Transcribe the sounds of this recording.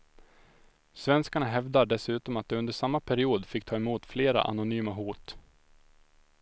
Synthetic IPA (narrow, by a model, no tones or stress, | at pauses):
svɛnskaɳaɦɛvd̪aɖɛsʉ̟ːt̪ɔmat̪̚d̪ɛɵnd̪əʂamːapʰæɾɪuːd̪fɪkːt̪ʰɑːɛmuːt̪fleːɾa̰ʔa̰nʊnyːmaɦuːt̪